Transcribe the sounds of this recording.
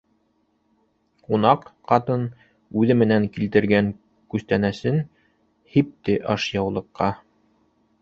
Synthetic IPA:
qunɑqqːɑt̪ɤn | ʉðɘmɘ̆næŋkilt̪ɘ̆ɾɡæŋ | kʉst̪ænæsɘn | hip̚t̪ɘʔɑʃjɑwlˠɤ̆qːɑ

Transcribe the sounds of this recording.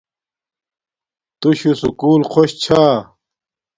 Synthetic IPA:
t̪uɕusukuːlqʰoɕt͡ɕʰaː

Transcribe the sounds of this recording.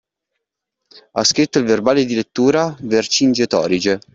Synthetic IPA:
a̰skɾit̪ːoilverbaːled̪ilet̪ːuːɾavert͡ʃind͡ʒet̪ɔ̰ːɾid͡ʒe

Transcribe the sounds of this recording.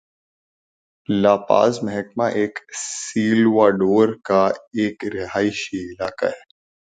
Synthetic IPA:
laːpa̰ːzmɛɦɛkmaʔeːksiːlʋaːɖoːɾkaeːkɾɪɦaːiʃiɪlaːka̰ɛː

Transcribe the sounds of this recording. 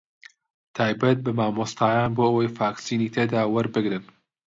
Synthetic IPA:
t̪ʰaːjbɐt̪̚bɨmaːmost̪ʰaːjaːnboːʔəwɐjfaːksiːniːt̪ʰed̪aːwɐɾbɨɡɾɨn

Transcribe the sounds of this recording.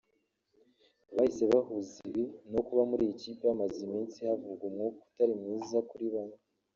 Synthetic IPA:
βahise̞βahuziβino̞kuβamuɾijeciːpeamazimiːnsihavuɡumŋoku̥taɾimŋiːzakuɾiβana

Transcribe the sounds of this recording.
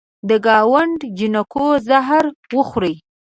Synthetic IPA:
d̪əɡɑwaɳɖd͡ʒɪnakozaɦɾwəxɾəj

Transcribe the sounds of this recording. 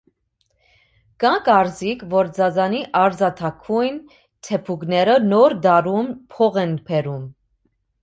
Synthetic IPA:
kɑkɑɾzikʰvɔɾd͡zɑd͡zɑniʔɑɾd͡zɑt̪ʰɑkʰujn | t̪ʰɛpʰuɡnɛɾənɔɾd̪ɑɾumpʰɔʁɛnpʰɛɾum

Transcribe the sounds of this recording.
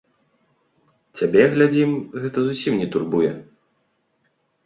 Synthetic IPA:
t͡sʲabʲɛɣlʲad͡zʲimɣɛt̪ɐzusʲimnʲɛt̪urbujɛ̰

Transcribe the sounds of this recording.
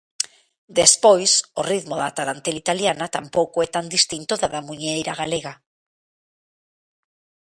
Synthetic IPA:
d̪espojsoriðmoðat̪aɾant̪elit̪aljanat̪ampowkoɛt̪and̪ist̪int̪oðaðamuɲejɾaɣ̞aleɣa

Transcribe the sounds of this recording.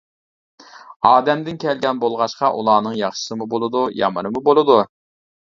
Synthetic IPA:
ɑːd̪ɛmd̪ɪnkʲʰɛlɡʲɛnbolˠʁɑʃqɑʔṵlˠɑːnɨŋjɑχʃɨ̥sɨmubolˠɨd̪ujɑ̰mɨnɨmubolˠɨd̪u

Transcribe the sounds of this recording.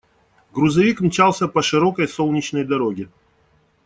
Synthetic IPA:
ɡɾʊzɐvʲikmʲt͡ɕalˠsʲəpɐʂɨɾo̞kəjsolˠnʲɪt͡ɕnəjd̪ɐɾoɡʲɪ

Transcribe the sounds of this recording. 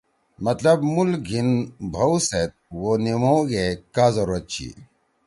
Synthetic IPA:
mɐt̪lɐbmulɡʱinbʱɐwset̪̚wonimoɡekaːzɐɾɐt͡ɕʰḭ

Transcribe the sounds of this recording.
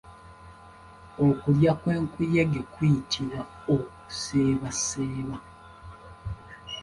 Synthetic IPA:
okuljakwe̞ːŋkujeɡekwitʰiβa | oku̥seːβaseːβa

